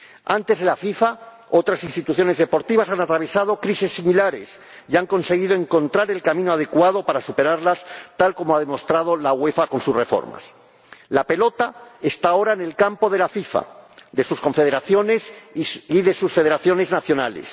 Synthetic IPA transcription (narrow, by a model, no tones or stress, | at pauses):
ant̪e̞zðe̞lafifa | o̞t̪ɾasinst̪it̪uθjo̞ne̞zðe̞po̞ɾt̪iβ̞asanat̪ɾaβ̞e̞sað̞o̞kɾisesːimilaɾe̞̰s | iaŋko̞nse̞ɣ̞iðo̞e̞ŋko̞nt̪ɾaɾe̞lkamĩnoað̞e̞kwaðo̞paɾasupe̞ɾaɾlast̪alko̞moaðe̞mo̞st̪ɾað̞o̞laɣwe̞fako̞nsusre̞fo̞̰ɾma̰s | lape̞lo̞t̪aest̪ao̞ɾaene̞lkampo̞ð̞e̞lafifa̰ðe̞susko̞ɱfe̞ð̞eɾaθjo̞ne̞siðe̞susfe̞ð̞e̞ɾaθjo̞ne̞znaθjo̞na̰le̞̰s